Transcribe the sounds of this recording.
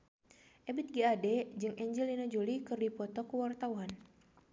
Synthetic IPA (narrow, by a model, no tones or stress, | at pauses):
ʔɛbit̪̚ɡiadɛd͡ʒɨŋʔɛɲd͡ʒɛlinad͡ʒulikɨrdipɔt̪ɔkuwart̪awan